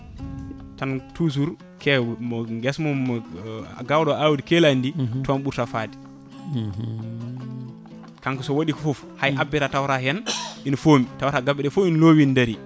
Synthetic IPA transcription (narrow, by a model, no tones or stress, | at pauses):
tantus̬uɾ | kʰɛmɔŋɡɛsmɔ̰ | ɡawɗɔawudkɛlanditanɓuɾtafaːdi̥ | kaŋkɔsɔwoɗikɔfɔf | hajʔabːɛtatawɾahɛninfomitawɾaɡabɛɗɛfoinlowindaɾi